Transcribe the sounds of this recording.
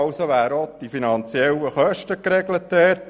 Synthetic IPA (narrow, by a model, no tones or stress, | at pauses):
ʊsoʋæːɾod̪̥ifinɑnt͡siɛlːəχœʃtəkɾɛɡlət̪ɛːr